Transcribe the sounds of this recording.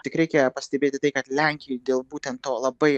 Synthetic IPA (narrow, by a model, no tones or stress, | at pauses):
t̪ʲɪkɾʲɛɪkʲɛpɐsʲt̪ʲɛbʲeːt̪ʲɪt̪ɐɪkɐt̪lʲæŋʲkʲɪjɛɪd̪ʲeːlˠbuːt̪ʲɛnt̪toːlˠɐbɐɪ